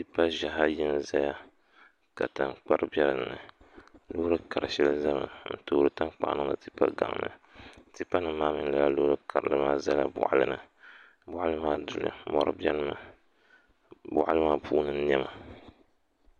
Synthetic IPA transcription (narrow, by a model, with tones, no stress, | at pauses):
tɨ˦pa˦ʒa˨ɦa˦jɛ˦n˨za˦ja˦ | ka˨ta˨nk͡pa˦ɾɨ˦bjɛ˦ɾɨ˨n˨nɨ˨lo˦ɾɨ˦ka˨ɾɨ˨ʃɛ˦lɨ˦za˦mɨ̰˨n̩˨toː˦ɾɨ˦ta˦k͡pa̰˨ʔnɨ˦ŋɨ˨tɨ˦pa̰˦ɡa̰˨ŋ˨nɨ̰˨tɨ˦pːa˦nɨ˨mːaː˦mɨ˦ŋ˦la˨la˦lo˦ɾɨ˦kʰa˨ɾɨ̰˨lɨ˦maː˦za˦la˦bʊ̰˨ʔa̰˦lɨ̰˦nɨ˨ | bʊ˦ʔa˦lɨ˦maː˦dʊ˨lɨ̰˨mɔ̰˦ɾɨ̰˦bɛ˦lma˨ | bʊ̰˦ʔa˦lɨ˦maː˦pʰuː˦nɨ˦njɛ˦ma˨